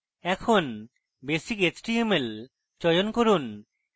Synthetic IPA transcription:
ɛkʰon | besiket͡ɕʈiemel | t͡ɕɔjonkoɾun

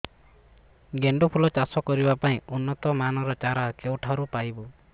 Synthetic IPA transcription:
ɡeɳɖupʰulɔt͡ʃasɔkɔɾibapaĩunːɔt̪ɔmanɔɾɔt͡ʃaɾakewʈʰaɾupajbɔ

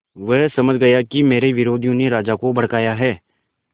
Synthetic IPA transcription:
ʋɛɦsɐməd͡ʒʱɡɐjakimeːɾeʋɪɾoːd̪ʱijõneɾaːd͡ʒakobɐɽ̤kaːjaɦɛː

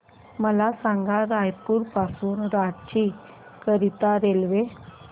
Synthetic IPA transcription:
məlasãŋɡaɾajpuːɾpasuːnɾaʈt͡ɕi | kəɾit̪aɾelʋe

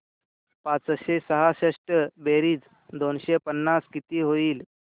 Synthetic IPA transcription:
pat͡sɕesəɦaɕeʂʈəbeɾiːd͡z | d̪onɕepənːaskit̪iːɦoiːl

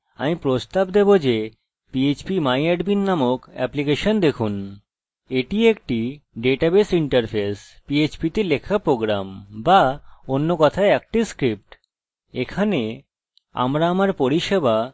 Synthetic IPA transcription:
a̰mipɾost̪abd̪ebod͡ʑe | piet͡ɕpimajɛɖbinːamokɛ̰plikeʃond̪ekʰun | eʈiek̚ʈiɖeʈabesiɳʈaɾpʰes | piet͡ɕpit̪elekʰapɾoɡɾa̰mbaonːokɔt̪ʰaeɛk̚ʈiskɾip̚ʈ | ekʰane | a̰mɾaamaɾpoɾiʃeba

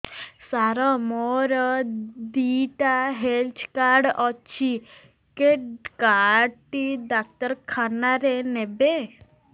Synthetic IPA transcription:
saɾɔmɔɾɔd̪iʈaɦelt͡ʃʰkaɾɖɔt͡ʃʰi | keɖkaɖʈiɖak̚t̪əɾkʰanaɾenebe

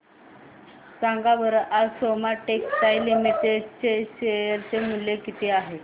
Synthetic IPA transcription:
sãŋɡabəɾʔasomaʈekt̪ajlimiʈ̪et͡ɕeɕejəɾt͡semuljekit̪ʰeaɦe

